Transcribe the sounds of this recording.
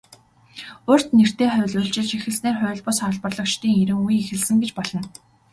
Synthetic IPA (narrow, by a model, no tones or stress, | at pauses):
ʊr̥t̪ner̥t̪eːχʊ̟ːɮʊːɬt͡ɕɪ̆ɮt͡ɕixɘ̆ɮsneːrχʊ̟ːɮpʊːsɔɮpərɮɞ̆kt͡ɕt̪iːŋeɾɘ̆ŋujexɘ̆ɮsɘ̆ŋɡet͡ɕpɔɮɞ̆n